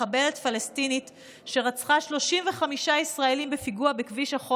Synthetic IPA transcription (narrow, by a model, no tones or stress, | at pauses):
abe̞letfalestinit | ʃe̞ʁat͡sχaʃlo̞ʃimveχamiʃaisʁaelimbefiɡuabekviʃaχo